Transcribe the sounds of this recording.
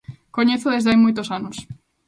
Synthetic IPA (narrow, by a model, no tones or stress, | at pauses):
koɲeθoðezðeajmojt̪osanos